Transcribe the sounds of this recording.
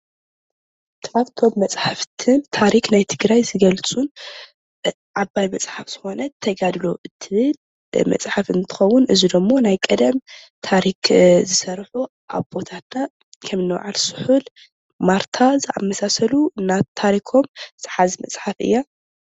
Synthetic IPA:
t̪ʰɐ̥fakt̪ʰo̞mːɐt͡sʼħaft̪ʰɨnt̪ʰaɾiknajt̪ʰɨɡɾajzɨɡɐlt͡sʼun | ʕabajmɐt͡sʼħafz̥ɨxo̞nɐt̪ʰːɐɡad̪lo̞ʔɨt̪ʰɨβɨl | mɐ̰t͡sʼħafɨnt̪ʰɨ̥xɐwːʊnʔɨzid̪ɐmːo̞najkʼɐd̪ɐmt̪ʰaɾikzɨsɐɾħu | ʔa̰βbo̞t̪ʰat̪na | kʰɐmɨnːɨw̰ʕa̰lsɨ̥ħul | maɾt̪ʰazɨʔa̰mːɐsasɐluɨnːat̪ʰːaɾikʰo̞msʼɨħazimɐ̰t͡sʼħafɨ̰jːa

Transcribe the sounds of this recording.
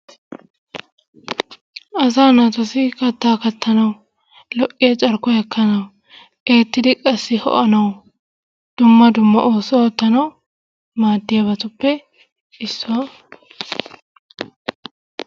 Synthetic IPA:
ʔɐs̬aːnɐt̪ɔsɪkɐt̪ːaːkɐt̪ːɐnɐw | lɔʔʼːɪjɛt͡ʃʼɐɾkɔjɐkːɐnɐw | e̞ːt̪ːɪd̪ɪkʼɐsːɪhɔ̰ʔɐnɐw | d̪̥ʊmːɐd̪ʊmːɐ̰ʔo̞ːsɔɔt̪ːɐnɐw | maːd̪ːɪjabɐt̪ʊpːɛ | ɪsːʊwa

